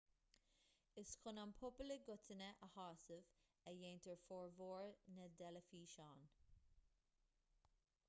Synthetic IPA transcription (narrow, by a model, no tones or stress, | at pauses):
ɪskʰʊnampʰʊpələɡʊtʰənəʔəhɑːsəv | ɛjeːntʰəɹfɔːɹvoːɹnədɛləfiːʃɑːn